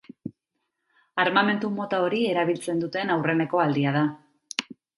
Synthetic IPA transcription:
aɾmame̞nt̪umo̞t̪ao̞ɾie̞ɾaβ̞ilt͡se̞nd̪ut̪e̞nawre̞ne̞ko̞ald̪iað̞a

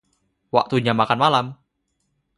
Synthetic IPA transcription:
wa̰ʔt̪uɲamakanmalam

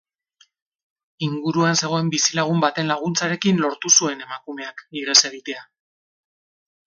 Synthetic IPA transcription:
iŋɡuɾuanse̞ɣ̞o̞e̞mbisilaɣ̞umbat̪e̞nlaɣ̞unt͡saɾe̞kinlo̞ɾt̪usue̞ne̞makume̞akiɾese̞ɣit̪e̞a

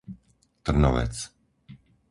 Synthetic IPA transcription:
t̪r̩nɔ̰ʋɛ̰t͡s

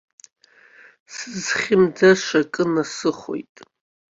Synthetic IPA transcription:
sɨzχʲɪmd͡zaʂakʼɨnasɨχʷo̰jtʼ

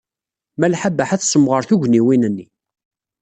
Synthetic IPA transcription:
mælħabːəħæθsəmʁəɾθuʝʷniwinənːi

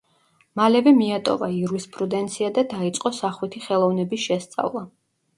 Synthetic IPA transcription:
malɛvɛmiat̪ʼɔ̰vaiɾispʼɾud̪ɛnt̪sʰiad̪ad̪ait̪sʼqʼɔsaχwit̪ʰiχɛlˠɔvnɛbisʃɛst̪sʼa̰vlˠa

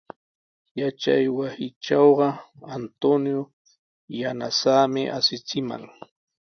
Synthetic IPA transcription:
jat͡ʃa̰jwasɪʈ͡ʂɑwɢɑant̪onjo | janasaːmɪʔasɪt͡sɪma̰ŋ

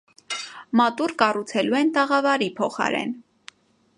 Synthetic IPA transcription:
mɑt̪uɾkɑrut͡sʰɛluɛnt̪ɑʁɑvɑɾipʰɔχɑ̰ɾɛ̰n

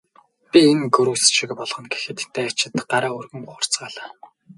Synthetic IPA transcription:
pʲienɡɵɾuːsʃĭkpɔɮχɞ̆nɡe̥xɘ̆t̪t̪ːeːat͡ɕɪ̆t̪ɢaɾaːɵrɣɘ̆mʊə̆r̥t͡sɢaːɮaː

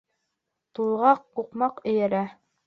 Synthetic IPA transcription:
t̪ulˠʁɑqqːuqmɑqɘ̆jɘ̆ɾæ

